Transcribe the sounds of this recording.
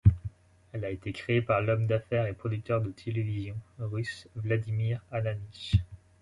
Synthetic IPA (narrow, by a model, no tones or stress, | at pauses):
ɛlaet̪ekχeepaʁlɔmd̪afɛʁepχɔd̪yk̚t̪œʁd̪ət̪ʰelevizjɔ̃ʁysvlad̪imiʁananiʃ